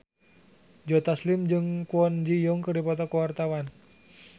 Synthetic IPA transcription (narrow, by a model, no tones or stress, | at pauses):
d͡ʒɔt̪aslimd͡ʒɨŋkuɔnd͡ʒijɔŋkɨrdipɔt̪ɔkuwart̪awan